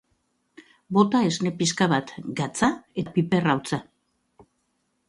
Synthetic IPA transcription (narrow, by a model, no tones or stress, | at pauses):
bo̞t̪ae̞zne̞piskaβat̪ɡat͡saepipe̞rawt͡sa